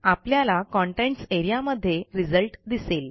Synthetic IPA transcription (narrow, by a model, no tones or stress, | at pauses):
apljalakɔ̃ɳʈeɳʈseɾijaməd̪ʱːjeɾid͡zəlʈd̪isel